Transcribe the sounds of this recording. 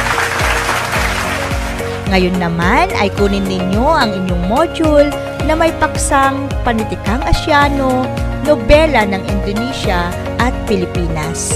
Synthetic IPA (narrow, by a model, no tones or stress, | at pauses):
ŋɐjo̞nːɐmanɐ̰jkuːnɪnːɪɲo̞ʔɐŋɪɲjoŋmod͡ʒul | nɐmɐjpɐksaŋ | pɐnɪt̪ɪkaŋʔɐʃjaːno̞nobɛlɐnɐŋɪnd̪oniʃɐ | ʔɐt̪̚pɪlɪpiːnɐs